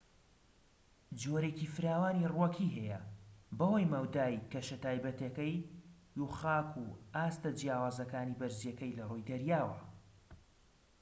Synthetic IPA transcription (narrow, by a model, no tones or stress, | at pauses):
d͡ʒoːɾeːcifɨɾaːwaːnirwɐkʰiɦɛjɛbɐwɐjmɐwd̪aːjkɐʃɐt̪aːjbɐt̪ɐkɐj | juχaːkʰuaːst̪ɐd͡ʒijaːwaːzɐkaːnibɐɾzjɛkɐjlɐrojd̪ɐɾjaːwɐ̰